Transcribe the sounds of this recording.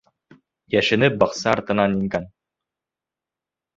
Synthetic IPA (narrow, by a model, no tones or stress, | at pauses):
jæʃɘ̆nɘp̚bɑqsɑɾt̪ɤ̆nɑniŋkæn